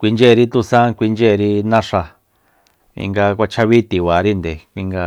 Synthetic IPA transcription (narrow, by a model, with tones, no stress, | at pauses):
kʷi˧nd͡ʒe˦˨˧ɾi˧t̪u˧sã˦kʷi˧nd͡ʒe˦˨˧ɾi˧nã˦ʂa˧ | ḭ˧ŋɡa˧k̬ʷa˧t͡ʃʰa˧βi˦t̪i˨βa˨ɾi˦nd̪e˨kʷi˧ŋɡa˧